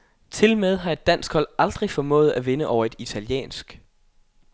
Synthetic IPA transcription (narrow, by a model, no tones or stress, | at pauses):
t͡sʰe̝lmeð̞ˠɦɑ̈e̝d̥ːæn̰sɡ̥hɒ̽l̰ɑ̈ld̥ʁifɒ̽mɔ̰̽ːð̩ˠæʋe̝nəʔɒʊɐe̝d̥it͡sʰæljḛːnsɡ̥